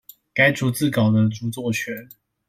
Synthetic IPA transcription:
ka˥ɪt͡su˧˥t͡sɹ̩˥˨kɑ˨˩ʊd̪ə˦ʈ͡ʂu˧˥t͡swɔ˥˩t͡ɕʰɥɛ˧˥˦n

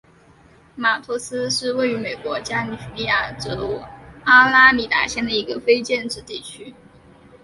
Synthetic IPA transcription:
ma˨˩t̪ʰu˥sɹ̩˥ʂɻ̩˥˧we˥˩ɪy˧˥me˨˩ɪkwɔ˧˥t͡ɕja˥ny˨˩fli˥˧ja˥˩ʈ͡ʂɤ˧˥a˥la˥mi˨˥t̪a̰˨˩ɕjɛ˥˩nd̪ə˩i˧˥ɡə˧fe˥ɪt͡ɕjɛ˥˧nʈ͡ʂɻ̩˥˧t̪i˥˩t͡ɕʰy˥

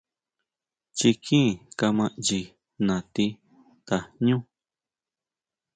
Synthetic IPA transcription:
t͡ʃi˧kʰĩ˦˨ka˧mã˧ʔd͡ʒi˧ | nã˨t̪i˧ | t̪a˨ɲũ˦

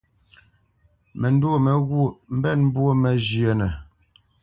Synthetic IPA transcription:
mɛ˨n˦du˦o˦˨mɛ˨ɣwu˦o˦˨m̩˦bɛ˦˨nm˦bwo˦mɛ˨d͡ʒje˨nɛ˨

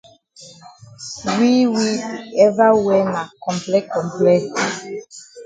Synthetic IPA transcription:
wi˦wi˦ɛ˦va˦wɛ˦na˨kɔ̃˨mplɛ˦kɔ̃˨mplɛ˦t

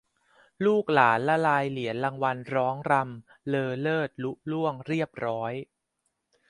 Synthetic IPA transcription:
luː˥˩k̚laː˩˦nlɛ˦˥ɾaː˧jli˩˦ənla˧ŋwa˧nɾɔː˦˥ŋɾa˧m | lɤː˧lɤː˥˩t̪̚lu˦˥ʔ̚lu˥˩əŋɾi˥˩əp̚ɾɔː˦˥j

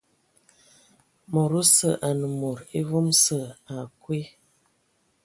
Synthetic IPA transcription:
mo˨ɾo˦sə˨ʔa˨nə˨mo˨ɾe˦vo˦msə˦˨a˨kwe˦

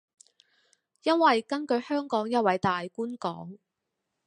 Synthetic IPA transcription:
jɐ˥nwɐ˨jkɐ˥nkɵ˨˧ɥhœː˥ŋkɔː˨˥ŋjɐ˥t̚wɐ˨˥jt̪aː˨jkuː˥nkɔː˨˥ŋ

